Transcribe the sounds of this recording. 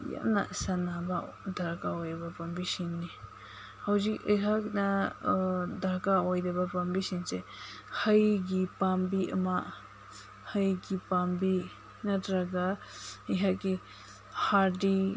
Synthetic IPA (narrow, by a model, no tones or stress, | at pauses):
ja̰mna̰sanabadaɾkaɔjɾabapambisinːi | hawzikɯjkʰakna | daɾkaɔjɾebapambisinsehɐjɡipambiʔɐ̰ma | həjɡipambi | nadɾaɡaijɦaɡi | haɾdi